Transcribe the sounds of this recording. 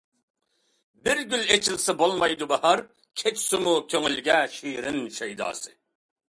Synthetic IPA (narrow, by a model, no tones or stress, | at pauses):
bɪɾɡʲylet͡ʃʰilsɛbolˠmɑjd̪ubɑhɑɾ | kʲʰet͡ʃʰsɪmukʲʰøŋylɡʲɛʃiːɾɪmʃejd̪ɑ̰ːsɨ